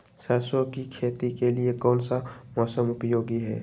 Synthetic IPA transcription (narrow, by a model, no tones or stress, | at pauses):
sɐɾsõkikʰeːt̪ikeliekɔ̃ːnsamɔːsəmʊpjoːɡiɦɛ̰ː